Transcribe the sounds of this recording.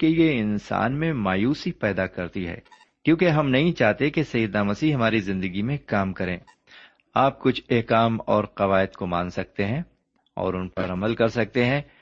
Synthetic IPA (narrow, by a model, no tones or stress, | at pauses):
kejeɪnsa̰ːnmẽmaːjuːsipɛːd̪akɐɾt̪iɦɛ̰ː | kjõːkeɦɐmnɐɦĩt͡ʃaːɦt̪ẽkesɐjəd̪namɐsiɦɐmaːɾizɪ̃nd̪əɡimẽkaːmkɐɾḛ̃ː | aːp̚kʊt͡ʃʰeɦkaːmɔːɾqɐʋaːɪd̪komãːnsɐk̚t̪eɦɛ̃ | ɔ̰ːɾʊnpɐɾɐməlkɐɾsɐk̚t̪eɦɛ̃ː